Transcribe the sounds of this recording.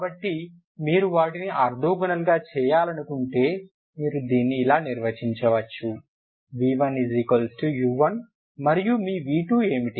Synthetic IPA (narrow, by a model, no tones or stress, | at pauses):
kaːbɐʈːi | miːɾuʋaːʈiniʔɐɾd̪ʱuːɡɐnɐlɡaːt͡ʃɛːjaːlɐnukuɳʈe̞ː | miːɾud̪iːnːiːlaːniɾʋɐt͡ʃiɲt͡ʃɐʋɐt͡ʃːu | ʋiːʋɐnizikɐlsʈujuʋɐn | mɐɾijumiːʋiːʈuːe̞ːmiʈi